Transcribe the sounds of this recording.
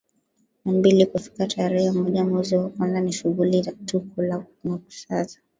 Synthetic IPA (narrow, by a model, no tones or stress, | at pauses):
nambilikufi̥katʰaɾɛhɛmɔʄamuziwakanzaniʃuɣulizatukula | maku̥sazḁ